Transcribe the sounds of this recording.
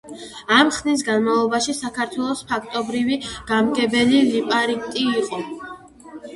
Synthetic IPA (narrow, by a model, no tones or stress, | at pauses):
amχnis̬ɡanmavlˠɔbaʃisakʰaɾt̪ʰwɛlˠɔspʰakʰt̪ʼɔbɾiviɡ̥amɡɛbɛlilipʼaɾikt̪ʼiːqʼɔ